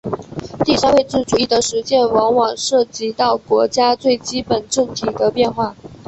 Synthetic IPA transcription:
t̪i˥˩ʂa˥nwe˥˧ɪʈ͡ʂɻ̩˥˩ʈ͡ʂu˨˩i˥˩d̪ə˩ʂɻ̩˧˥t͡ɕjɛ˥˩nwɑ˧˥ŋwɑ˨˩ŋʂɤ˥˩t͡ɕi˧˥t̪ɑ˥˩ʊkwɔ˧˥t͡ɕja˥t͡swe˥˩ɪt͡ɕi˥pə˨˩nʈ͡ʂə˥˩ŋt̪ʰi˨˩d̪ə˦pjɛ˥˧nxwa˥˩

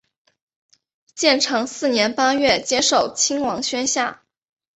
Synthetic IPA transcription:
t͡ɕjɛ˥˩nʈ͡ʂʰɤ˧˥ŋsɹ̩˥˩njɛ˧˥npa˥ɥɛ˥˩t͡ɕjɛ˥ʂo˥˩ʊt͡ɕʰi˥ŋwɑ˧˥ŋɕɥɛ˥nɕja̰˥˩

